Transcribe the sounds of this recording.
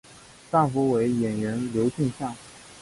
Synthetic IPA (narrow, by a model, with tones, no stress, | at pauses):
t̪a˥˩fɔ˧˥we˧˥ɪjɛ˨˩nɻə˧˥nljo˧˥ʊt͡ɕʰi˥˧ŋɕjɑ˥˩ŋ